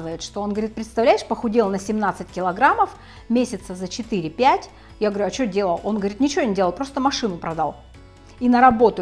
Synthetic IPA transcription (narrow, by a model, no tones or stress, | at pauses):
vəjɪt̪ʂt̪o̞onɡəvɐɾʲit̪pɾʲɪt̪st̪ɐvlʲæjɪʂpəxʊdʲilˠnəsʲɪmnat̪sɨtʲkʲɪlˠɐɡɾaməf | mʲesʲɪt̪səzət͡ɕɪt̪ɨɾʲɪpʲætʲ | jaɡəvɐɾʲʉɐt͡ɕodʲe̞lˠəlˠo̞nɡəvɐɾʲit̪nʲɪt͡ɕɪvʲonʲɪdʲelˠlˠpɾo̞st̪əmɐʂɨnʊpɾɐd̪alˠ | inəɾɐbo̞t̪ʊ